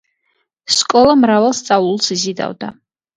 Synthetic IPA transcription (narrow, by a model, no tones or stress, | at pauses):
skʼɔlˠamɾavalˠst̪sʼavlˠulˠsizid̪a̰vd̪a